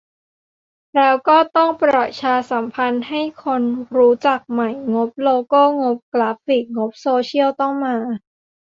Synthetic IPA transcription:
ɾɛː˦˥wkɔː˥˩t̪ɔ˥˩ŋpɾɔ˨˩t̪̚t͡ɕʰaː˧sa˩˦mpʰa˧nha˥˩jkʰo˧nɾuː˦˥t͡ɕa˨˩k̚ma˨˩jŋo˦˥p̚loː˧koː˥˩ŋo˦˥p̚klaː˦˥fi˨˩k̚ŋo˦˥p̚soː˧t͡ɕʰi˥˩əwt̪ɔ˥˩ŋmaː˧

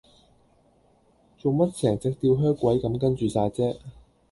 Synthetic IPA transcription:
t͡so˨wmɐ˥t̚t͡sʰɛː˨˩ŋt͡sɪ˨k̚t̪iː˧wɦœː˥kwɐ˨˥jkɐ˨˥mkɐ˥nt͡ʃyː˨saː˧jt͡sɛː˥

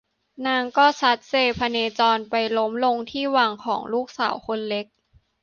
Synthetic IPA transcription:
naː˧ŋkɔː˥˩t͡ɕʰa˦˥t̪̚seː˧pʰa˧neː˧t͡ɕɔː˧npa˧jlo˦˥mlo˧ŋt̪ʰiː˥˩waː˧ŋkʰɔ̰ː˩˦ŋluː˥˩k̚saː˩˦wkʰo˧nle˦˥k̚

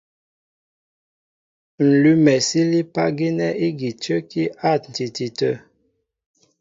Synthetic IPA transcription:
n̩˨lʉ˦mɛ˨si˦li˦pa˦ɡi˦nɛ˦i˦ɡi˨tə˦ki˦ʔa˦˨t̚n̩˨ti˨ti˨tə˦˨

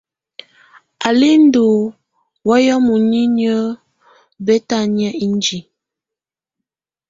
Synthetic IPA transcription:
a˨li˦n̩˦do˨ | wɔ˦jɔ˦mu˨ni˦nə˦ | bɛ˦ta˦˨njə˦i˦n˦d͡ʒi˨

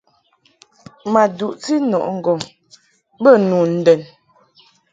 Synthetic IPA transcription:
ma˨du˨ʔt͡si˦nɔ˨ʔŋ̩˨ɡɔ˨ŋ | bə˦˨nu˨n̩˨dɛ˨n

